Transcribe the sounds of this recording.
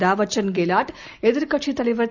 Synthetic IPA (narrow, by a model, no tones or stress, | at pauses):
d̪aːʋɐt͡ʃɐnɡelaːʈ | ed̪uɾkɐt͡ʃʰit̪ɐliʋɐɾ